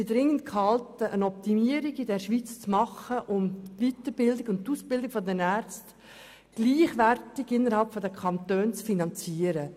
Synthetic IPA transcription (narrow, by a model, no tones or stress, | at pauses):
idɾɪŋːəntkhɑltəʔənɔp̚t̪imiəɾiɡidɛɾʃʋiːt͡st͡smɑχəʔʊmvitəɾbɪldɪɡʊnttːuːspɪldɪkfɔdɛnæːɾt͡st | ɡ̥liːχʋærtɪɡɪnːəɾhɑlpfɔdəkʰɑntøːnt͡sfinɑnt͡siːəɾə